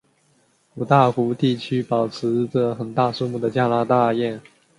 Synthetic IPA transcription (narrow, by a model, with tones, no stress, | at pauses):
u˨˩t̪a˥˩xu˧˥t̪i˥˩t͡ɕʰy˥pɑ˨˩ʊt͡sʰɻ̩˧˥˧t͡sə˥˩xə˨˩nt̪a˥˩su˥˧mu˥˩d̪ə˩t͡ɕja˥na˧˥t̪a˥˧jɛ˥˩n